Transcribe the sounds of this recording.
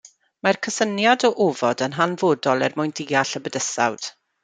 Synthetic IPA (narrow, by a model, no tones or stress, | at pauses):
markʰəsənjadɔʔoːvɔdənɦanvoːdɔlˠɛrmʊjndiːaɬəbədəsa̰wd̥